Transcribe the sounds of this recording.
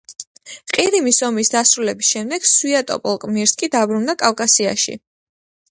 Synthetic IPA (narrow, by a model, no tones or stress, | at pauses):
qʼiɾimisɔmisd̪asɾulɛbisʃɛmd̪ɛɡ̥suiat̪ʼɔ̰pʼɔlˠkʼmiɾskʼid̪abɾund̪akʼawkʼasia̰ʃḭ